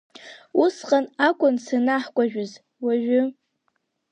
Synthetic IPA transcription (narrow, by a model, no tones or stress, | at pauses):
usqʼanakʷʼʊnsanaħkʷʼaʒᶣʊz | waʒᶣʊ